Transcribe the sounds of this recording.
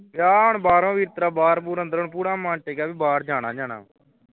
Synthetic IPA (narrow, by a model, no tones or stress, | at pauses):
ʋjaːʊɳbaːɾõːʋiːɾt̪ɾaːbaːɾbuːɾə̃nd̪əɾəɳpuːɽaːmãːɳʈeːkaːbiːbaːɾd͡ʒaːɽaːd͡ʒaːna̰ː